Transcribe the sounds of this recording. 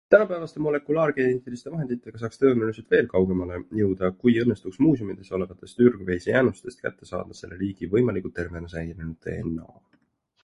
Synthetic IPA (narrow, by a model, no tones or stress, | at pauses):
t̪ænɑpæevɑst̪emo̞le̞kulɑːrkeet̪ilist̪e̞vɑɦe̞nd̪̥it̪ːˑe̞ɡ̥ɑsɑːkst̪ø̞ːnuliselt̪ve̞ːlkɑwɡ̥e̞mɑle̞jɤwd̪̥ɑkujɤnːe̞st̪uksmuːsjumid̪̥e̞so̞le̞vɑt̪ːˑe̞st̪yrɡ̥vejsejæːnust̪e̞st̪kæ̰t̪ːe̞sɑ̰ːd̪̥ɑse̞̰lːeliːɡ̥ivɤ̞jmɑlikˑut̪e̞rve̞nɑsejnenut̪ːḛnːɑ̰